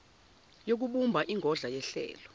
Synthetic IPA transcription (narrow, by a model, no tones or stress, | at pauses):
jok̬uɓumbʱaʔiŋʱɔɮajɛɬɛ̰ːlɔ